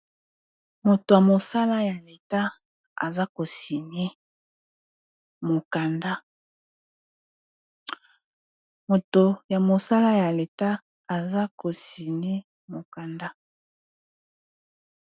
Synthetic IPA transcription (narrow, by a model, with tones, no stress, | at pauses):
mo˨to˨ja˨mo˨sa˦la˦ja˨le˨ta˦ | a̰˨za˦ko˨si˨ne˦ | mo˨ka˨nda˦ | mo˨to˨ja˨mo˨sa˦la˦ja˨le˨ta˦ | a˨za˦ko˨si˨ne˦ | mo˨ka˨nda˦